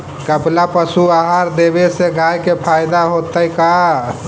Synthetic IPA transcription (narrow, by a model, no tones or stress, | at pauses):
kəplapəsuaɦaɾd̪ebeseɡajkepʰajɪd̪aɦot̪əika